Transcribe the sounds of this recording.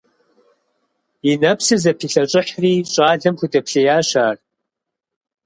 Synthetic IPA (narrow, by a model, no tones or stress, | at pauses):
inɐpʰsɨzɐpʰiːɬɐɕʼɪħriːɕʼaːɮɐmxʷutʼɐpʰɬɐjaːɕaːr